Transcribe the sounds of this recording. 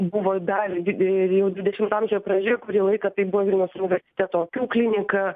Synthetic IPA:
buʋoːd̪ɐrʲjɛʊd̪ʋʲɪd̪ʲɛʃʲɪmt̪ɑmʲʒʲojɔpɾɐd͡ʒʲejkʊɾʲiːlˠɐɪkɐt̪ɐɪpbuʋoʋʲiɪnʲoʊsʊnʲɪʋʲɛɾʲsʲɪ̥t̪ʲæt̪oːkʲuːklʲɪnʲɪkɐ

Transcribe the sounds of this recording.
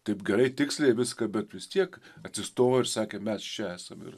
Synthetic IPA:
t̪ɐɪpɡʲɛɾɐɪt̪ʲɪksʲlʲeːʋʲɪskɐbʲɛt̪ʋʲɪst̪ʲiɛkɐt̪ʲsʲɪst̪oːʋoɪɾsɑːkʲeːmʲæst͡ʃʲɛæːsɐmɪ̰r

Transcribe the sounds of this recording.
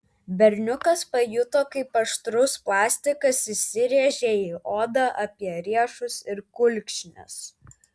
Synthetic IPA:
bʲɛɾʲnʲʊkɐspɐjʊt̪oːkɐɪpɐʃt̪ɾʊsplˠɑːsʲt̪ʲɪkɐsɪsʲɪɾʲeːʒʲeːiʔoːd̪ɐʔɐpʲiɛɾʲiɛʃʊsɪɾkʊlʲkʲʃʲnʲɛ̰s

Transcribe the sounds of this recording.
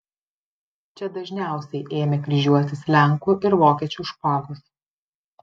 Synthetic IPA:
t͡ʃʲɛd̪ɐʒʲnʲæˑʊsʲɛɪʔeːmʲɛkɾʲiʒʲuɔt̪ʲɪslʲæˑŋkuːʔɪɾʋoːkʲiɛt͡ʃʲuːʃpoːʋʲʊs

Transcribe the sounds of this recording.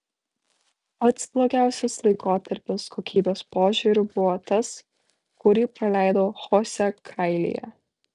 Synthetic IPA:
pɐt̪splˠoːɡʲæˑʊsʲɛslˠɐɪkoːt̪ɐɾʲpʲɪskʰoːkʲiːbʲeːspoːʒʲʊɾʲʊbʊʋɔːt̪ɐs | kʊɾʲiːpɾɐlʲæˑɪd̪oːxɔːsʲɛkʰɐɪlʲḭjɛ̰

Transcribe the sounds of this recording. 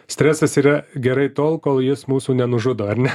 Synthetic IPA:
sʲt̪ʲɾʲæːsɐsiːɾɐɡʲɛɾɐɪt̪oːlˠkoːlˠjɪsmuːsuːnʲɛnʊʒʊd̪oːɐɾnʲɛ

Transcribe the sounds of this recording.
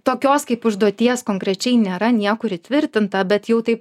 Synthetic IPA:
t̪oːkʲoːskɐɪpʊʒd̪uɔt̪ʲiɛskoːŋkɾʲɛt͡ʃʲɛɪnʲeːɾɐnʲiɛkʊɪɾɪt̪ʲʋʲɪɾʲt̪ʲɪnt̪ɐbʲɛt̪jɛʊt̪ɐɪp

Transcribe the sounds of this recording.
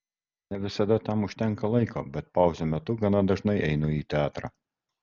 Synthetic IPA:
nʲɛʋʲɪsɐd̪ɐt̪ɐmʊʃʲt̪ʲɛŋˑkɐlˠɐɪko̰ːbʲɛt̪̚pɑˑʊzʲoːmʲɛt̪ʊɡɐnɐd̪ɐʒnɐɪʔɛɪnʊiːt̪ʲɛɑːt̪ɾɑ̰ː

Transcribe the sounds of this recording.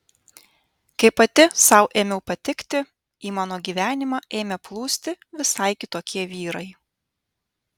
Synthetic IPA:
kɐɪpːɐt̪ʲɪsɐʊʔeːmʲɛʊpɐt̪ʲɪkt̪ʲɪ | iːmɑːnoːɡʲiːʋʲæːnʲɪmɑːʔeːmʲɛplˠuːsʲt̪ʲɪʋʲɪsɐɪkʲɪt̪oːkʲiɛʋʲiːɾɐɪ

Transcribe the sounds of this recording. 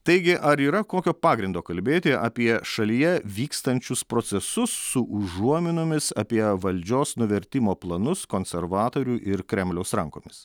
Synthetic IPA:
t̪ɐɪɡʲɪʔɐɾiːɾɐkoːkʲoːpɑːɡɾʲɪnd̪oːkɐlʲbʲeːt̪ʲɪʔɐ̰ːpʲiɛʃɐlʲijɛʋʲiːkst̪ɐnʲt͡ʃʲʊspɾoːt̪sʲɛsʊsːʊʔʊʒuɔmʲɪnʊmʲɪsɐ̰pʲiɛʋɐlʲd͡ʒʲoːsnʊʋʲɛɾʲt̪ʲɪmoːplˠɐnʊskoːnʲsʲɛɾʋɑːt̪oːɾʲuːʔɪɾkɾʲɛmʲlʲɛʊsɾɐŋko̰ːmʲɪs

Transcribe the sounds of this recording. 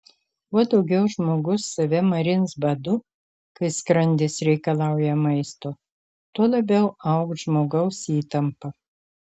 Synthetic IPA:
uɔd̪ɒʊɡʲɛʊʒmoːɡʊsːɐʋʲɛmɐɾʲɪnsbɐd̪ʊ | kɐɪskɾɐnʲd̪ʲɪsɾʲɛɪkɐlˠɑˑʊjɛmɐɪst̪oː | t̪uɔlˠɐbʲɛʊɐʊkt̪ʒmoːɡɐʊsiːt̪ɐmpɐ

